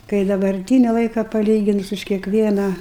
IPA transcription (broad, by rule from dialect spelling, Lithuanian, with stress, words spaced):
kɐɪ dɐbɐrʲˈtʲiːnʲɪ ˈlˠɐɪkɐ pɐˈlʲiːɡʲɪnʊs ʊʃ kʲiɛkˈʋʲiɛnɑː